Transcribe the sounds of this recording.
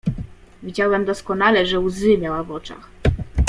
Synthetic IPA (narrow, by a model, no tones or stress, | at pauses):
vʲid͡ʑawɛmd̪ɔskɔnalɛʐɛuzɘmʲjawavɔt͡ʂa̰x